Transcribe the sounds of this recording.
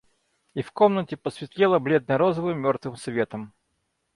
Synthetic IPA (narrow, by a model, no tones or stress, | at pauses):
ifkomnətʲɪpəsvʲɪt̪lʲelˠəblʲed̪nɨjɾozəvɨmːʲort̪vɨmsvʲe̞t̪əm